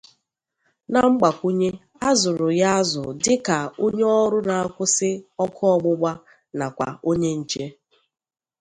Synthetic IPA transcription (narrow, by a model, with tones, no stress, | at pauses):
na˨ŋ͡m̩˦ɡ͡ba˨kʷu˦ɲe˦ | a˦zʊ˨ɾʊ˨ja˦zʊ̰˨dɪ˦ka˨o˦ɲe˦ɔ˦ɾʊ˦na˨a˦kʷʊ˦sɪ˦ɔ˦kʰɔ˦ɔ˨ɡ͡bʊ˦ɡ͡ba˦ | na˨kʷa̰˨o˦ɲe˦n̩˨t͡ʃe˦